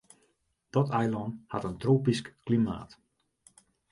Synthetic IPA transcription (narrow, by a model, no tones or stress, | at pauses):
d̥ɔtajlˠɔnha̰təntroːpiskklima̰ːt